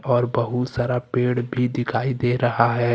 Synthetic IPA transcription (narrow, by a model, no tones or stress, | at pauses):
ɔːɾbɐɦut̪saːɾapeːɽbʱid̪ɪkʰaːid̪eːɾɐɦaɦɛː